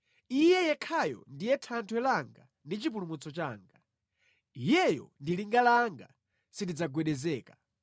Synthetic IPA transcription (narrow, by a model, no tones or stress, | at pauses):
ijɛjɛkʰajɔ̰ndijɛtʰantʰwɛlaŋɡa | ndit͡ʃipulumut͡sɔt͡ʃaːŋɡa | ijɛjɔ̰ndiliŋɡalaŋɡa̰ | sindid͡zaɡwɛɗɛzɛːkḁ